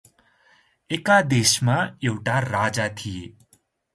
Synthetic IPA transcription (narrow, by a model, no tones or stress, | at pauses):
ekad̪eːʃmãewʈaɾaːd͡ʒat̪ʰije